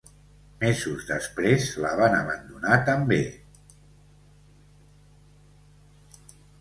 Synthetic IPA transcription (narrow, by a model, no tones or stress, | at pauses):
mɛzuzðəspɾezləβ̞anəβənd̪unat̪əmbe